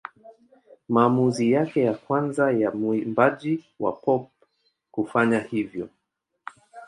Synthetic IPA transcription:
maːmuzijakɛjakwanzajambaʄi | wa̰pɔp̚ | kufaɲahivjɔ

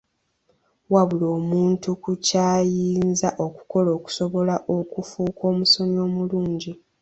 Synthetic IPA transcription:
waβuloːmuːntukucaːjiːnzaʔo̞ku̥ko̞lo̞ːku̥so̞βo̞laʔo̞kufuːkʰo̞ːmuso̞ɲo̞ːmuluːɲɟi

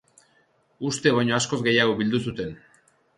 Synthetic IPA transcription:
ust̪e̞βajɲo̞asko̞zɡe̞jaɣ̞o̞βild̪usut̪e̞n

